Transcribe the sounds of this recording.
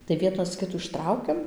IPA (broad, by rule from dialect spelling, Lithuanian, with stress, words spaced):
tɐɪ ˈʋʲiɛnɐs ˈkʲɪtuː ɪʃˈtrɐʊkʲɛm